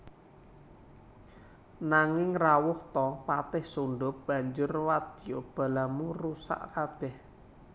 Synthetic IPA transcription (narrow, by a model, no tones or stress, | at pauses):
naŋɪŋrawʊht̪ɔpat̪ɪhsuɳɖʊp̚b̥a̤ɲd͡ʒʊrwad̪ijob̥a̤lamurusa̰ʔkab̥ɛh